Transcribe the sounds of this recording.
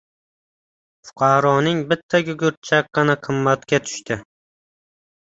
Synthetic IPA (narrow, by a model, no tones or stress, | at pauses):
fʊ̥qʰɑɾɒnɪŋbɪt̪ʰːakʲʊɡʲʊɾt̪̚t͡ʃʰak̚qːɑnaqʰɨmːat̪kʲat̪ʰʊ̥ʃt̪ɪ